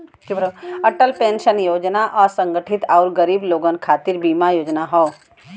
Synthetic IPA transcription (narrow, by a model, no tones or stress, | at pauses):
kibɾɐʈəlpẽːnʃənjoːd͡ʒnaʔɔːɾsə̃ŋɡəʈʰɪt̪aʊɾɡəɾiːbloːɡənkʰaːt̪iɾbiːmajoːd͡ʒnaɦɔː